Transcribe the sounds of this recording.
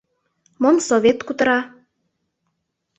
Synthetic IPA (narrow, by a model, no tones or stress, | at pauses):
momsoβʲet̪kut̪əɾɑ